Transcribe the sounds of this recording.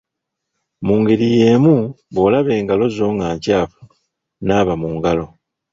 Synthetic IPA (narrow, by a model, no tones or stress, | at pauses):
muːŋɡeɾije̞ːmu | βoːlaβe̞ːŋɡalo̞zo̞ːŋɡaːɲcaːfu | naːβamuːŋɡalo̞